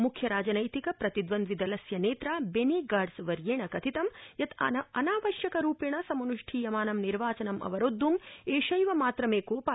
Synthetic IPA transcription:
mukʰjɐɾaːd͡ʒɐnɐjt̪ikɐpɾɐt̪id̪ʋɐnd̪ʋid̪ɐlɐsjɐneːt̪ɾaːbeniɡaːɖsʋɐɾjeːɳɐkɐt̪ʰit̪ɐmjɐt̪ɐnaːʋɐʃjɐkɐɾuːpeɳɐsɐmɐnuʂʈʰiːjɐmaːnɐmniɾʋaːt͡ʃɐnɐmʔɐ̰ʋɐɾod̪ʱːumeːʃɐjʋɐmaːt̪ɾɐmeːkoːpa

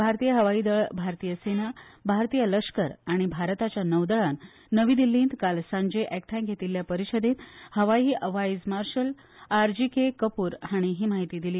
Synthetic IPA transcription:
bʱaɾt̪ijəɦəʋaiːd̪əɭbʱaɾt̪ijəsenabʱaɾt̪ijələkʂkəɾaɽ̃ibʱaɾt̪at͡ɕjanəʋd̪əɭanː | əʋiːd̪ilːĩːnt̪kalsãɲd͡ʑeʔɛk̚ʈ̪ʰãɡʱet̪iljapəɾiɕəd̪ẽnhəʋaiːʔəʋajzmaɾɕəl | aɾd͡ʑikekəpuːɾhaɽ̃iɦiːmaɦit̪iːd̪iliː

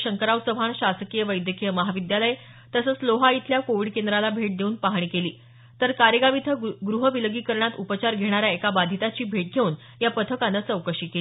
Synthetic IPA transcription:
ɕəŋkəɾawsəʋʱaɳɕasəkijəʋəjd̪jəkijəməɦaʋid̪jaləje | t̪əsət͡sloɦait̪ʰljakoʋiɖkend̪ɾalabʱeʈ̚d̪euːnpaɦɳ̃iːkeliː | t̪əɾkaɾjəɡaʋit̪ʰəɡɾuɦəʋiləɡiːkəɾɳat̪upət͡ɕaɾɡʱeɽ̃aɾjaekabad̪ʱit̪at͡ɕiːbʱeʈ̚ɡʱeuːn | japət̪ʰəkanːət͡səwkəɕiːkei

